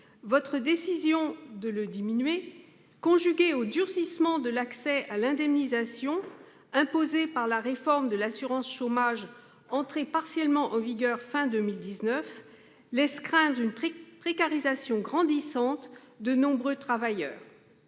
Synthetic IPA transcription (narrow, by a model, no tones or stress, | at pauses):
vɔt̪χəd̪esizjɔ̃d̪ələd̪iminɥe | kɔ̃ʒyɡʲeod̪yʁsismɑ̃d̪əlaksɛalɛ̃d̪ɛmnizasjɔ̃ | ɛ̃pozepaʁlaʁefɔʁmd̪əlasyʁɑ̃sʃomaʒ | ɑ̃t̪χepaʁsjɛlmɑ̃ʔɑ̃viɡœʁfɛ̃d̪ømild̪iznœf | lɛskχɛ̃d̪ʁynpχekaʁizasjɔ̃ɡʁɑ̃d̪isɑ̃t̪ | d̪ənɔ̃bʁøt̪χavajœ̰ːʁ